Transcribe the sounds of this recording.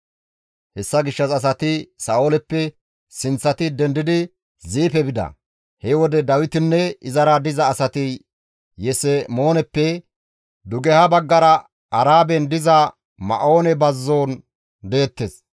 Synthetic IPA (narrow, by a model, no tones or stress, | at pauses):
hɛsːɐɡɪʃːɐsɐs̬ɐt̪ɪsaːoːlɛpːɛ | sɪnt͡sːɐt̪ɪd̪ɛnd̪ɪd̪ɪ | ziːpɛbɪd̪ɐ̰ | hɛwɔd̪ɛd̪ɐwɪt̪ɪnːɛɪzɐɾɐd̪ɪzɐːsɐt̪ɪ | jɛsɛmo̞ːnɛpːɛ | d̪ʊɡɛhɐbɐɡːɐɾɐ | ɐɾaːbɛnd̪ɪzɐ | mɐ̰ʔoːnɛbɐzːo̞ːn | d̪e̞ːt̪ːeːs